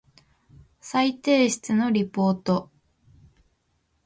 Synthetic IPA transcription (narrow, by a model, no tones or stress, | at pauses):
sait̪e̞ːɕi̥t͡sɨno̞ɾʲipo̞ːt̪o̞